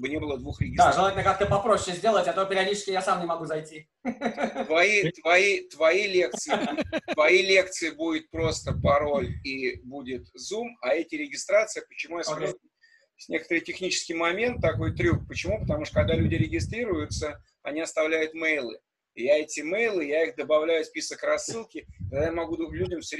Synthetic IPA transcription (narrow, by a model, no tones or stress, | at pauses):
bɨnʲebɨlˠəd̪vuxɾʲɪɡʲɪsd̪aɾʐɨlˠatʲlʲnəkak̚t̪əpɐpɾoɕːɪzʲdʲelˠətʲɐt̪opʲɪɾʲɪɐdʲit͡ɕɪ̥sʲkʲɪjasamnʲɪmɐɡuzɐjtʲi | t̪vɐit̪vɐit̪vɐilʲe̞k̚t̪sɨɪt̪vɐilʲe̞kt̪sɨɪbudʲɪt̪̚pɾo̞st̪əpɐɾo̞lʲibudʲɪt̪zumɐɛtʲɪɾʲɪɡʲɪst̪ɾat̪sɨjəpət͡ɕɪmujas | sʲnʲe̞kət̪əɾɨjtʲɪxnʲit͡ɕɪ̥skʲɪjmɐmʲe̞nt̪ːɐko̞jt̪ɾʲuk̚pət͡ɕɪmupət̪ɐmuʂt̪əkɐɡ̚d̪alʲʉdʲɪɾʲɪɡʲɪst̪ɾʲiɾʊjʊt̪sə | ɐ̰nʲiɐst̪ɐvlʲæjʊt̪mɛjlˠɨ̰ | jaɛtʲɪmejlˠɨjaixd̪əbɐvlʲæjʊsʲpʲisəkrɐsːɨlˠkʲɪt̪aɡd̪ajamɐɡud̪lʲudʲɪmfsʲ